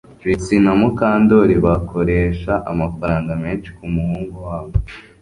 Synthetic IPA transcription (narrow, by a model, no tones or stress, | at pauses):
vit͡sinamukaːndo̞ɾiβakʰo̞ɾe̞ːʃaʔamafaɾaːŋɡameːnʃi̥kumuhuːŋɡuwaːwe